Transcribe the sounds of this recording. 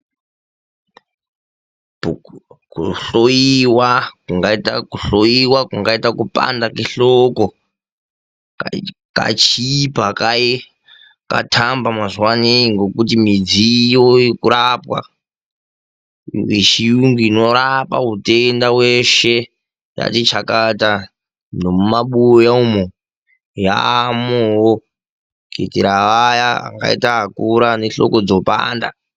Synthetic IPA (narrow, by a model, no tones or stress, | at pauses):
ukuɬojiwakuŋɡaitakuɬojiwakuŋɡaitakupa̰ndakiɬoko | ka̰t͡ʃipaka | ka̰tʰambamazuwaniŋɡokutimid͡zijoikuɾapwa̰ | wiʃiuŋɡuno̞ɾapa̰ɦutendaweʃe | ja̰tit͡ʃakata | ndomumaɓujaumo | ja̰mowo | ketiɾaajaa̰ŋɡa̰ḭtaːkuɾaneɬo̞̰ko̞d͡zopa̰ːnda̰